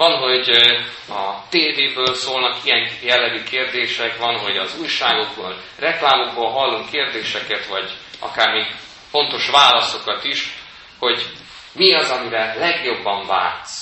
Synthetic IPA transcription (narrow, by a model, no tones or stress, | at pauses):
vɒnɦo̞ɟ | ɒt̪eːd̪eːbøːlsoːlnɒkijɛŋjɛlːɛɡykʰeːrd̪eːʃɛkʋɒnɦo̞ɟɒzuːjʃaːɡo̞ɡbo̰ːl | rɛklaːmoɡ̚boːlɦɒlːoŋkːeːrd̪eːʃɛkɛt̪ʋvɒɟɒ̰kaːrmeːɡ | fo̞nt̪o̞ʃʋaːlɒso̞kɒt̪iʃ | ho̞ɟ | miɒzɒmiɾɛlɛɡjo̞bːɒɱva̰ːrt̪s